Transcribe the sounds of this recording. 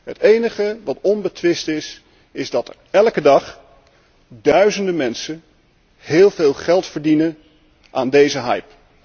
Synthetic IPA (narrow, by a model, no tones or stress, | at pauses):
ɦətejnəχəʋɑtɔnbətʋɪstɪs | ɪzdɑtə̰ɹɛlkədɑχ | dœɥzəndəmɛnsə | hɪːlˠveːlˠχɛlˠtfəɹdinə | ʔaːndejzəɦɑjp